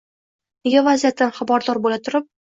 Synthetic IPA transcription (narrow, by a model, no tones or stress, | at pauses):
neɡʲavazijat̪ːanχabɒɾd̪ɒɾbolat̪ʰʊɾɪp̚